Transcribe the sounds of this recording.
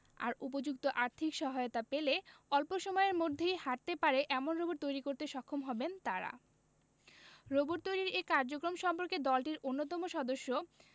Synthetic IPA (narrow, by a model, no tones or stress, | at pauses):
a̰ɾup̬od͡ʑuk̚t̪oʔaɾt̪ʰikʃɔɦaeot̪apeleɔlpoʃɔmɔeeɾmod̪ʱːejhaʈ̚t̪epaɾeʔɛmonɾoboɾt̪ojɾikoɾt̪eʃɔkʰːomɦɔbent̪aɾa̰ | ɾoboɾt̪ojɾiɾekaɾd͡ʑokɾomʃɔmpoɾked̪ɔlʈiɾonːot̪ɔmoʃɔd̪oʃːo